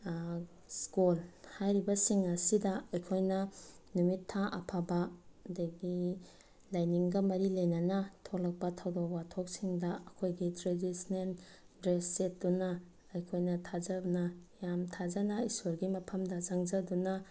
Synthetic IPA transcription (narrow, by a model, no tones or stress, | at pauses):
skulhajɾibɐsiŋɐsidɐɐjkʰojnɐnumitʰːaʔɐ̰pʰabadaɡi | lajniŋɡɐmɐɾilajnɐnɐtʰolɐk̚pɐtʰawdowatʰok̚siŋdɐɐkʰojɡitɾedisnen | dɾesːet̚dunɐː | jkʰojnɐtʰazɐbnɐjamtʰazɐnɐistuɾɡimɐpʰɐmdɐzaŋd͡ʒɐdunɐ